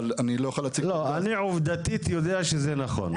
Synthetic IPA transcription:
lanilojaχalat͡silo̞aniʕuvd̪at̪it̪jod̪eaʃezenaχo̰n

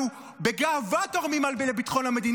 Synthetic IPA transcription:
u | beɡaːvat̪oʁmimalbelebit̪χo̞nhame̞d̪in

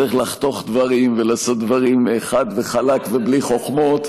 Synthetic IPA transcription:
iχlaχt̪o̞χd̪vaʁimve̞laːso̞t̪̚d̪vaʁimeχad̪veχalakvebliχo̞χmo̞t̪

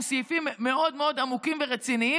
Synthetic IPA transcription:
sifimːeo̞d̪meo̞damukimveʁet͡sinii

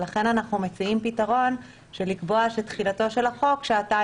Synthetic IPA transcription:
laχe̞nanaχnumet͡siimpitaʁo̞n | ʃelikbo̞aʃetχilato̞ʃe̞laχo̞kʃeata

